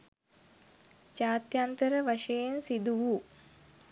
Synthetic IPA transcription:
t͡ʃaːt̪jant̪əɾəʋaʂejensid̪uʋu

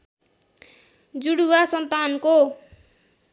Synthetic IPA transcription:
d͡zuɽuwasʌnt̪anko

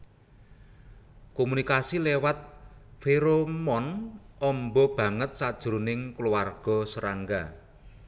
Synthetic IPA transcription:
komunikasilewat̪̚feɾomɔnʔɔmbɔb̥a̤ŋət̪̚sad̥ʒ̥uɾunɪŋkluwarɡ̥ɔ̤səɾaŋɡa

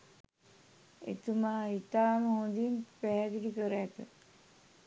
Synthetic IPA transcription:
ḛt̪umaːit̪aːməɦõnd̪inpæɦd̪iʈikəɾəæt̪ə̰

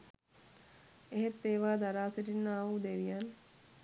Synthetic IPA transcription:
eɦet̪ːeːʋaːd̪aɾaːseʈinːaːʋud̪eʋijan

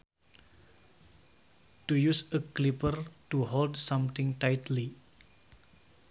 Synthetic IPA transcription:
tujusəklipərtuɦɔldsãmt̪ɪ̃ŋtajtli

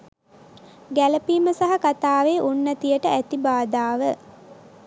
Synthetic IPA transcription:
ɡæləpiːməsaɦakat̪aːʋeʔunːət̪ijəʈəæt̪ibaːd̪aːʋə

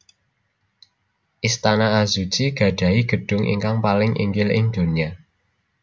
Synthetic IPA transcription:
ʔist̪anaazu̥t͡ʃiɡ̥ä̤ɖ̥ä̤iɡ̥ə̤ɖ̥ʊ̤ŋʔḭŋkaŋpalɪŋʔḭŋɡɪlɪ̰ŋd̪̥o̤nia

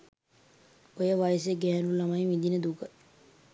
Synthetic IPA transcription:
ojəʋajəsjəɡɛːlulamajʋid̪inəd̪ukə

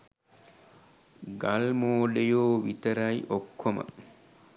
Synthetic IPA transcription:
ɡalmoːɖejoːʋit̪ɐɾɐjʔokʰːomə̰

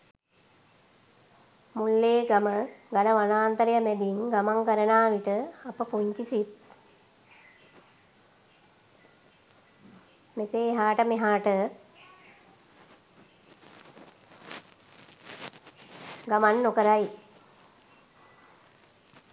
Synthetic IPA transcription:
mulːeːɡaməɡanəʋanaːnt̪əɾəjəmɛd̪iŋɡamaŋkəɾənaːʋiʈəapəpuɲt͡ʃisit̪̚ | meseːɦaːʈəmeɦaːʈə | ɡamanːokəɾaj

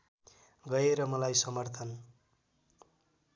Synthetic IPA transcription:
ɡʌjeɾʌmʌlajsʌmʌrt̪ʰʌn

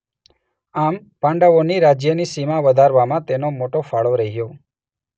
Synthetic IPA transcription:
am | pãɳɖəʋoniɾad͡ʒjənisimaʋəd̪ʱaɾʋamãt̪enomoʈofaɭoɾəɦijo

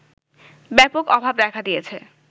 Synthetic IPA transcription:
bɛpokɔbʱabd̪ɛkʰad̪ijet͡ɕʰe

